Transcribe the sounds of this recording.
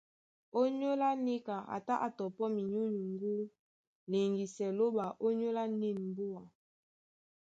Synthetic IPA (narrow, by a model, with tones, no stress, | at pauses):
o˦ɲo˦la˦ni˦ka˨a̰˨ta˦ʔa˨tɔ˨pɔ˦mi˨ɲu˦ɲu˨ŋɡu˦ | le˨ŋɡi˨sɛ˨lo˦ba˨ʔo˦ɲo˦la˦ni˦˨nm˨bu˦a˨